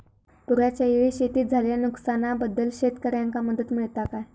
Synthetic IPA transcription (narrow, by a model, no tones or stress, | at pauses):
puɾjat͡ɕjaeɭiɕet̪iːt̪̚d͡zʱaljanuksanabəd̪ːəlɕet̪kəɾjaŋkaməd̪ət̪miɭt̪akaj